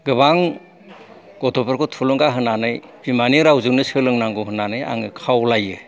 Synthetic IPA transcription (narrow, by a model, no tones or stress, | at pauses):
ɡɯbaŋ | ɡ̥ɔtɔpɯɾkʰɔtʰulɯŋɡaɦɯnanɯj | bimaniɾawzɯnɯsɯlɯŋnaŋɡuɦɯnanɯja̰ŋɯkʰawlajɯ